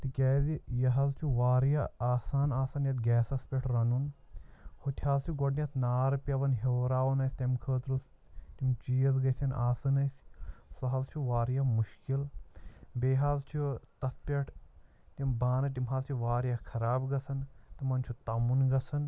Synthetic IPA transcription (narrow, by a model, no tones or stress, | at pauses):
t̪ɨkʲaːzijɐɦɐzt͡ʃʰuʋaːɾjɐaːsaːnaːsɐnjɐt̪ɡɛːsɐspʲeʈʰɾɐnun | hut̪ʲʰhaːzt͡ʃʰuɡoʈnʲiɐt̪ʰnaːɾpʲɐʋɐnɦeːɾaːʋɐnɐjsʲt̪ɐmkʰəːt̪ɾus | t̪imt͡ʃiːɐzɡɐsʲɐnʔaːsɐnɐsʲsɐɦɐzt͡ʃʰuʋaːɾjɐmuʃkil | beːɦaːzt͡ʃʰut̪ɐspʲeʈʰ | t̪imbaːnɐt̪̬imɦɐːzt͡ʃʰuʋaːɾjɐkʰɐɾaːbɡɐsɐnt̪imɐnt͡ʃʰut̪ɐmunɡɐsʰɐn